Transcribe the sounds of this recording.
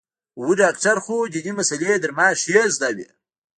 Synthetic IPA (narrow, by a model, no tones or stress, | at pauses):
wuɖaːkʈaɾxod̪inimasaled̪əɾmaːʂezd̪awḛ